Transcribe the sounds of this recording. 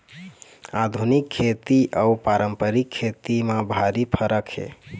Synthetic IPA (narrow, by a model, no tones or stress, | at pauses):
ad̪ʱunikʰːet̪iʔaupaɾəmpəɾikʰːet̪imãbʱaɾipʰəɾəkɦḛ